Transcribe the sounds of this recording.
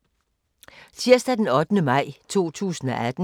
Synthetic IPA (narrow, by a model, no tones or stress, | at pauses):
t͡sʰiɐ̰sd̥æd̥enɒ̽d̥nəmɑ̈ɪ̰t͡sʰo̝̰ːt͡sʰṵːsn̩ɒʔæd̥n̩